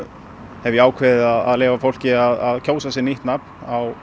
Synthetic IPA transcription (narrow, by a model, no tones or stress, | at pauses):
hɛvjɪaːwkʰvɛðɪðaðaðleːvafowl̥cɪaðaðcʰoːwsasɛniht̪napnaw